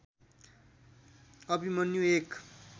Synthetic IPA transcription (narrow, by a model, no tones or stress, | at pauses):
ʌbimʌnjuek